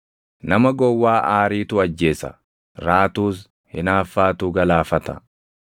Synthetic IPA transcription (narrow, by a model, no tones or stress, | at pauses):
nɐmɐɡɔwːaːʔaːɾiːt̪ʊɐd͡ʒːe̞ːsɐ̰ | ɾaːt̪uːs | hɪnaːfːaːt̪uːɡɐlaːfɐt̪ɐ̰